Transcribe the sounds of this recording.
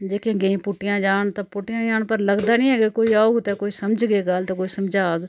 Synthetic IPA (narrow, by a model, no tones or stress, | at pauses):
d͡ʒeːkẽːɡeĩːpʊʈɪjãːd͡ʒaːnt̪ɐpʊʈɪjãːd͡ʒaːnpəɾləɡd̪aːnĩɦɛːɡekoːiaoɡt̪ekoːiːsəmd͡ʒɡeːɡaːlt̪ekoːisəmd͡ʒaːɡ